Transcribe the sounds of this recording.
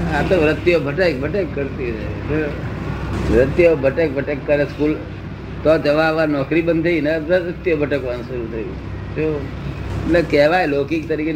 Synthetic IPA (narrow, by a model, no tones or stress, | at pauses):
at̪oʋɾət̪jobʱɐʈək̚bʱɐʈəkːəɾt̪iɛ̰t̪e | ʋɾət̪jobʱɐʈək̚bʱɐʈəkːɐɾeskuːl | t̪ɔd͡ʒɐʋaʋanɔːkɾibə̃nd̪einaət̪jobʱəʈəkʋansʊɾut̪ʰɐḭ | t̪o | mɐt̪ləbkɛːʋaɛloːkikt̪ɐɾike